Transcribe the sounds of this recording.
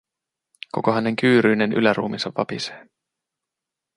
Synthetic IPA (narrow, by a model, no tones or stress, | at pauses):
ko̞̰ko̞ɦæne̞ŋkyːɾyːnenʔy̰læɾṵːminsɑʋːɑ̰pise̥ː